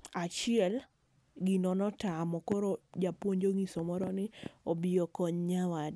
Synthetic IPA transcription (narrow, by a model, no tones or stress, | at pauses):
at͡ʃɪɛl | ɡinɔnɔtamɔkɔɾod͡ʒapwoɲd͡ʒoŋisɔmɔɾɔnɪobiɔkɔɲɲawad